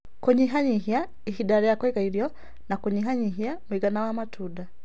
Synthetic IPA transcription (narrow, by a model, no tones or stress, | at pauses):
kuɲiɦaɲiɦja | ehidaɾjakwekaiɾjo | nakuɲiɦaɲiɦjamwiɡanawamatʰuda